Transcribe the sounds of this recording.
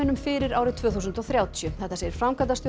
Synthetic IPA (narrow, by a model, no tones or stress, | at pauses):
ɪnʏmfɪɾɪɾawɾɪt̪ʰvœːθusʏnt̪ɔwθɾjaːwt̪ʰjʏθɛht̪ːasɛɾɪɾ̥fɾamkat̪asjo